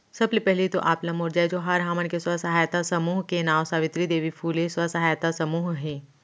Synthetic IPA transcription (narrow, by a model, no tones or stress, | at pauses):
sɐblepɛɦlet̪oʔaːplɐmoːɾd͡ʒaːed͡ʒoːɦɐɾɦaːməɳkeswɐsɐɦaːjt̪asɐmuːɦkenãːʋsaːʋɪt̪ɾid̪eːʋifʰuːleswɐsɐɦaːjt̪asɐmuːɦɦɛ̃ː